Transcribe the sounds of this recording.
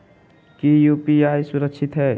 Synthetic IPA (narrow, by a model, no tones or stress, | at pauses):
kijuːpiaːjsʊɾəkʃɪt̪ɦɛː